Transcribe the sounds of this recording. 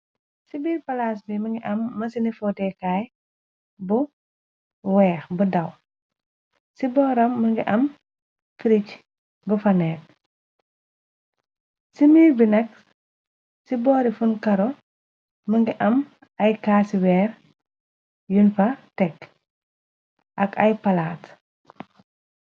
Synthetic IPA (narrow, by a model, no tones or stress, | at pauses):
sibiːɾpɐlaːs̬bimɐŋɡiʔɐmːɐsinifɔtɛkaːj | bu | wɛːxbudɐw | sibɔːɾɐmːɐŋɡiʔɐm | fiɾic | bufɐnɛːk̚ | simiːɾbinɐk̚ | sibɔːɾifunkɐɾɔ | məŋɡiʔɐm | ɐjkaːsiwɛːr | junfɐtɛk | ʔɐkɐjpɐlaːt